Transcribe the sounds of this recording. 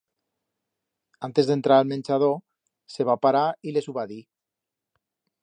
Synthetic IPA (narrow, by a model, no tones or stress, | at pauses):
ant̪ezðent̪ɾaalmẽnʲt͡ʃað̞o | seβapaɾailesuβaði